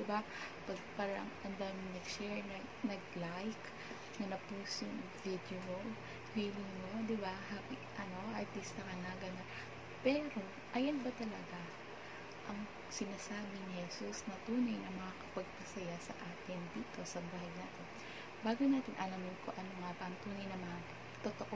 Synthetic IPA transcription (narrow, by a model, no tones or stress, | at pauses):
d̪ɪba | pɐɡ̚paːɾɐɐŋʔɐnd̪aːmɪŋnɐɡʃɛɹnɐ | nɐɡ̚lajk | nɐnɐpuːsoŋvid̪jomo | hiːlɪŋmod̪ɪbaɦapɪʔɐno̞ɐt̪ist̪ɐkɐnaɡɐnɐ | pɛːɾo̞ | ʔɐjɐnbɐt̪ɐlɐɡa | ʔɐŋ | sɪnaːsaːbɪnɪhɛsusnɐt̪uːnɐjnɐŋmɐŋakɐ̥pɐɡ̚pɐsɐjasɐ̰ʔaːt̪ɪnd̪iːt̪o̞sɐbahɐjnaːt̪ɪn | baːɡonaːt̪ɪnʔɐlɐmɪnkoʔɐnoŋabɐʔɐŋt̪uːnɐjnɐmɐŋa | t̪ot̪oʔ